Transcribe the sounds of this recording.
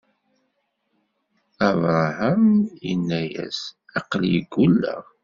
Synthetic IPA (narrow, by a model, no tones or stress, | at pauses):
ævɾˤhəmjə̰nːæjæ̰sɑqliɡulːæ̰